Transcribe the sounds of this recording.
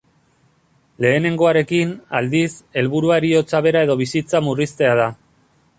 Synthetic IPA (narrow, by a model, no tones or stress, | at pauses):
le̞ːne̞ŋɡo̞aɾe̞kinald̪ise̞lβuɾuaeɾio̞t͡saβe̞ɾae̞ðo̞β̞isit͡samurist̪e̞að̞a